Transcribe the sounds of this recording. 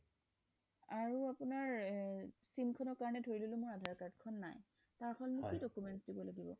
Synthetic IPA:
aɹuapunaɹ | simkʰɔnɔɹkaɹɔnɛdʱoɹililʊ̃mʊɹadʱaɹkaɹdkʰɔnːa̰j | taɹxʰɔlnukidɔkumɛntsdibɔlaɡibɔ̰

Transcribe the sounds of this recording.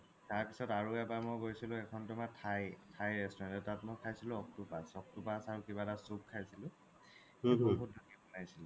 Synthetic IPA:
taɹpisɔtaɹuɛbamojɡojsilʊ̃ɛkʰɔntʊmatʰajtʰajɹɛstɔɔnɛtatmɔjkʰajsilʊ̃ɔk̚tupasɔk̚tupasaɹukibadasub̚kʰajsilʊ̃ | oɦut̚dɔkibɔnajsilʊ̃

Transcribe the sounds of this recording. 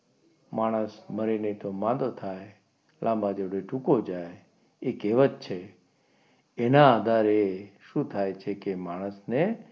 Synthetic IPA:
maɽ̃əsməɾinet̪omãd̪ot̪ʰaj | lʔãmbad͡ʒeʋɽeʈʰũkod͡ʒaj | ekeʋət̪̚t͡ʃʰe | enaːd̪ʱaɾeʃũt̪ʰajt͡ʃʰekemaɽ̃əsne

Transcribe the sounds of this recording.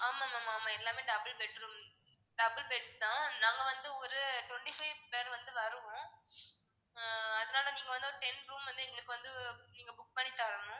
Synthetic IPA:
aːmaːmaːmːaːmːaːɛlːaːmeːɖɐbɐlbɛʈɾuːm | ɖɐbɪlbɛʈt̪ãːnãːŋɡɐʋɐnd̪ɯɔɾɯʈwɔɳʈifɐɪʋpeːɾʋɐnd̪ɯʋɐɾɯʋʊ̃ | ɐðɐnaːlɐniːŋɡɐʋɐnd̪ɯɔɾɯʈɛnɾuːmʋɐnd̪ɯɛŋɡɐɭɯkːɯʋɐnd̪ɯniːŋɡɐbʊk̚pɐɳːit̪ːaːɾɐnʊ̃

